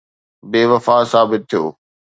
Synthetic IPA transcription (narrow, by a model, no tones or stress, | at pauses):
beːʋɐfaːsaːbɪt̪̚ʰːijo̰ː